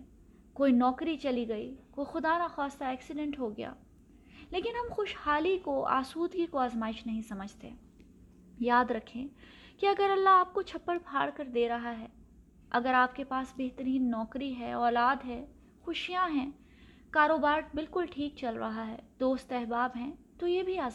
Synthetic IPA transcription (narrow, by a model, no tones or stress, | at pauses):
koːinɔːkɾit͡ʃɐliɡɐḭkoːixʊd̪aːnaxaːst̪aɛːksɪɖɛ̃ɳʈɦoɡɐja̰ː | leːkɪnɦɐmxʊʃhaːlikoʔa̰ːsuːd̪ɡikoaːzmaːɪʃnɐɦĩsɐməd͡ʒʱt̪ḛː | jaːd̪ɾɐkʰẽ | kiɐɡəɾɐlːaaːp̚kot͡ʃʰɐpːəɭbʱaːɽkɐɾd̪eːɾɐɦaɦɛː | ɐ̰ɡəɾaːp̚kepaːsbeɦt̪əɾiːnːɔːkɾiɦɛɔːlaːd̪ɦɛ | xʊʃijãɦɛ̃ː | kaːɾoːbaːɾbɪlkʊlʈʰiːk̚t͡ʃɐlɾɐ̰ɦaɦɛːd̪oːst̪ɛɦbaːbɦɛ̃t̪ojebʱiaːz